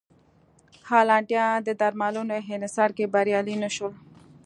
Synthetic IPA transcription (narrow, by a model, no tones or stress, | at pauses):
haːlɑːɳʈjɑ̃d̪əd̪aɾmalunoɦenɪsɑːɾkebaɾjɑːlinəʃol